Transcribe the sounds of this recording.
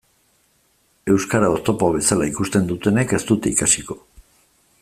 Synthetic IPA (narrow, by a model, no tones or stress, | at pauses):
e̞wskaɾao̞st̪o̞poβ̞e̞salaikust̪e̞nd̪ut̪e̞ne̞ke̞st̪ut̪eikasiko̞̥